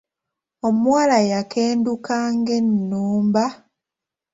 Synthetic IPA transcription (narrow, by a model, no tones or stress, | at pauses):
o̞muwalajakʰeːndukaːŋɡe̞nːuːmba